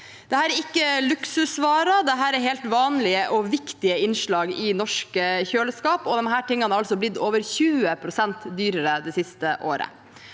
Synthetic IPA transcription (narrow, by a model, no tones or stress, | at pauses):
d̪̥ɛhæːɾɛɾɪkːəlʉksʉsʋɑːɾɑd̪ɛɦæːɾɛɾheːlt̪ʋɑːnlɪəʔɔʋɪkt̪ɪəɪnʂɭɑːɡɪnɔʂkəçøːləskɑːpɔd̪ɛnɦæːʈɪŋːənɑɾɑlsɔblɪd̪oːʋəɾçʉːəpʰɾʊsɛnt̪d̪yːɾəɾəd̪ɛsɪst̪əʔoːɾə̰